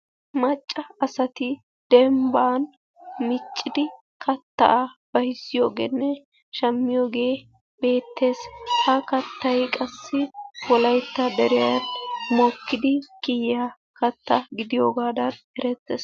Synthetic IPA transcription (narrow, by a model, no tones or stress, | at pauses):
mɐt͡ʃʼːɐːsɐt̪ɪ | d̪̥ɛmbaːn | mɪt͡ʃʼːɪd̪ɪ | kɐt̪ːɐ̰ʔab̥ɐhɪsːɪjo̞ːɡḛnːɛ | ʃɐmːɪjo̞ːɡe̞ː | be̞ːt̪ːe̞ːshɐkɐt̪ːɐjkʼɐsːɪwɔlɐjt̪ːɐd̪ɛɾɪjɐnmoːkːɪd̪ɪkɪjːa | kɐt̪ːɐɡɪd̪ɪjo̞ːɡaːd̪ɐn | ɛɾɛt̪ːeːs